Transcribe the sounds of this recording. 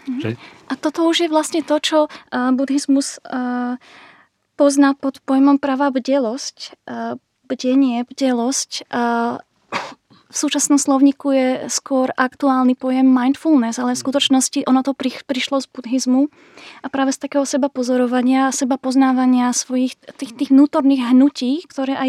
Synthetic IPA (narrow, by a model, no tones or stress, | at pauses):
ɦʔat̪ɔt̪ɔuʒjɛʋlasɲɛt̪ɔt͡ʃɔbud̪ɦizmus | pɔznaːpɔt̪pɔjmɔmpɾaːʋabɟɛlɔsc | bɟɛɲɪɛbɟɛlɔscː | fsuːt͡ʃasnɔmslɔʊɲiːkujɛskʊɔɾʔakt̪uaːlnipɔjɛmːajnt̪fulnɛzalɛfskut̪ɔt͡ʃnɔsciʔɔnɔt̪ɔpɾipɾiʃlɔzbud̪ɦizmu | ʔapɾaːʋɛst̪akɛːɦɔsɛbapɔzɔɾɔʋaɲɪasɛbapɔznaːʋaɲɪasʋɔjixt̪iːxt̪iːɣʋnuːt̪ɔɾniːɣɦnuciːkt̪ɔɾɛːʔaj